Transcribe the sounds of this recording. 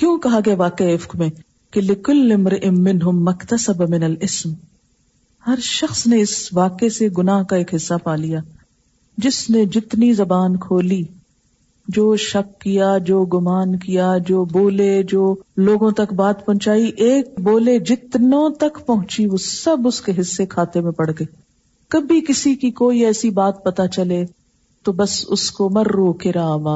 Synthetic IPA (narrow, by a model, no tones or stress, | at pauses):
kjõːkɐɦaɡɐaʋaːkeɪfkmẽː | kelɪkʊlːɪmɾɪʔɪmːɪnɦʊmːɐkt̪ɐsɐbmɪnɐlɪsm | hɐɾʃɐxsneɪsʋaːkeseɡʊnaːɦkaeːkɦɪsːapaːlijaː | d͡ʒɪsned͡ʒɪt̪nizɐbaːnkʰoːliː | d͡ʒoːʃɐkːijad͡ʒoːɡʊmaːnkijad͡ʒoːboːled͡ʒoːloːɡõt̪ɐkbaːt̪̚pɐ̃ɦt͡ʃaːiʔeːk̚boːled͡ʒɪt̪nõt̪ɐkpɐɦʊ̃t͡ʃiʋoːsɐbʊskeɦɪsːekʰaːt̪emẽpɐɽ̤ɡeː | kɐbʱikɪsikikoːiɛːsibaːt̪̚pɐt̪at͡ʃɐle | t̪obɐsʊskomɐɾːoːkeɾaʋaː